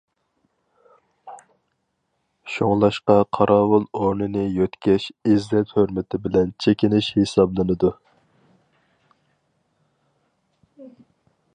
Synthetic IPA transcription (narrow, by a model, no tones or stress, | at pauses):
ʃoŋlˠɑʃqɑqʰɑɾʔɑːwʊlˠoɾnɨnɨjøt̪kʲʰɛʃɪzlɛt̪høɾmɪt̪ʰɪbɪlɛnt͡ʃʰekʲinɪʃhesɑblˠɨnɨd̪u